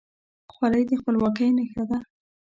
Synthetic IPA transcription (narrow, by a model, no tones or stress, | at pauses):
xwalajd̪əxpəlwɑkəjnaxad̪a